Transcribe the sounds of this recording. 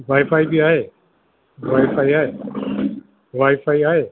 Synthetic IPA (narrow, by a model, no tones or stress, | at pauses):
ʋaːɪpʰaːibiaːɦeː | ʋaːjpʰaːiaːɦeː | ʋaːɪpʰaːiaːɦeː